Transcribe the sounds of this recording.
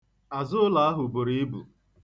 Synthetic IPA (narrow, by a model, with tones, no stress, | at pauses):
a˨zʊ˦ʊ˦la˦a˦ɦʊ˨bʊ˨ɾi˦i˦bṵ˨